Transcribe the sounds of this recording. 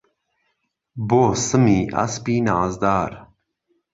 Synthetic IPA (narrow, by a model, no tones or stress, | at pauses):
boːsəmiːʔɐ̰spiːnaːzd̪aːɾ